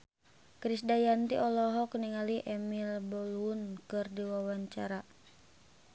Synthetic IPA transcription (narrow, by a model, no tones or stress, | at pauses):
kɾisdajant̪iʔɔlɔɦɔkniŋaliʔɛmilbɔluunkɨrdiwawaɲt͡ʃa̰ɾa